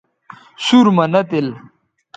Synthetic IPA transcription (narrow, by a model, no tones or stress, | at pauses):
suɾmɐnɐt̪il